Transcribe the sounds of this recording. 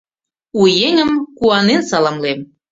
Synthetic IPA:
ujeŋəmkuɑnensɑlɑmlem

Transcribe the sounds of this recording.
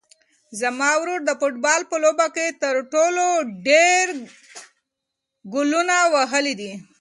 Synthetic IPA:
zamɑwɾuɾd̪əfʊʈ̚bɑlpəlobaket̪əɾʈoloɖeɾ | ɡʊlunawaɦəlid̪i

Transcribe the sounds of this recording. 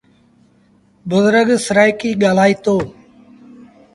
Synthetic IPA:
bʊzɾəɡsəɾaːɪkiːɠaːl̤aːiːt̪oː

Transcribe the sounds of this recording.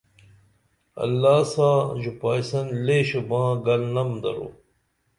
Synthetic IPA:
ɐ̰lːaːsaːʑupaːjsɐnleːɕebãːɡɐlnɐmd̪ɐ̰ɾo̰ː

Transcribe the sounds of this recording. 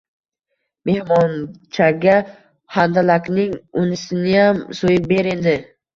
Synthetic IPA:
me̞hmɒnt͡ʃʰaɡʲa | hand̪alakʲnɪŋʊnɪsɪnɪjamsojɪp̚be̞ɾend̪ɪ

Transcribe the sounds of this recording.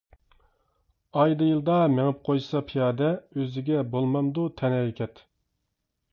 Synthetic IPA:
ɑjd̪ɨjɨlˠd̪ɑmeŋɪp̚qʰojsɑpʰijɑːd̪ɛøzɪɡʲɛbolˠmɑmd̪ut̪ʰɛnɛɾkʲʰɛt̪

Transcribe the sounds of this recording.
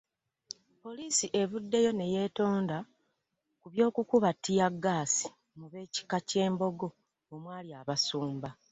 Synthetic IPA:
po̞liːsiʔe̞βudːe̞jo̞ne̞je̞ːto̞ːnda | kuβjo̞ːkukuβatːijaɡːaːsi̥ | muβe̞ːci̥kace̞ːmbo̞ɡo̞ | omwaːljaːβasuːmba

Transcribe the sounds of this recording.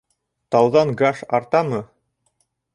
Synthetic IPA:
t̪ɑwðɑŋɡaʃɑɾt̪ɑmɤ

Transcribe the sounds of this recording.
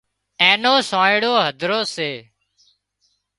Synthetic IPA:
ẽːnoːsãːɪɽoːɦəd̪ʱɾoːseː

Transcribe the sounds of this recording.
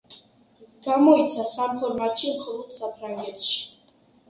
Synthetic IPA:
ɡ̥amɔit̪sʰasamfʰɔɾmat̪ʃimχɔlˠɔd̪̥sapʰɾaŋɡɛt̪ʰʃi̥

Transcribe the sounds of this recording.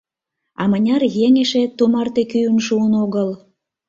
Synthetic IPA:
ɑmənʲɑrjeŋeʃet̪umɑrt̪ekyjənʃuənoɣəl

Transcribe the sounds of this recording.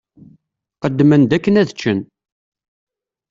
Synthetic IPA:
qəd̪ːmənd̪ækːənæðət͡ʃːən

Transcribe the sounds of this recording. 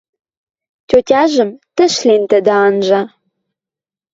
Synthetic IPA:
tʲotʲɑʒə̆mt̪ə̆ʃlent̪əd̪ə̆ɑnʒɤ̆

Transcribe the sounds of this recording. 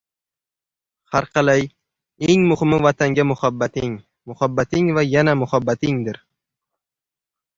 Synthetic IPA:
haɾqʰɑlaj | eŋmʊhɪmɪvat̪ʰaŋɡʲamʊhabːat̪ɪŋ | mʊhabːat̪ɪŋvajanamʊhabːat̪ʰɪŋd̪ɪɾ

